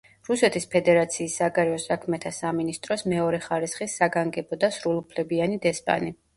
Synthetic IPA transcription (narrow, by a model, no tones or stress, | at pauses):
ɾusɛt̪ʰispʰɛd̪ɛɾat̪sʰiːsːaɡaɾɛɔsakʰmɛt̪ʰasaminist̪ʼɾɔsmɛɔɾɛχaɾisχisːaɡaŋɡɛbɔd̪asɾulˠupʰlɛbianid̪ɛspʼa̰ni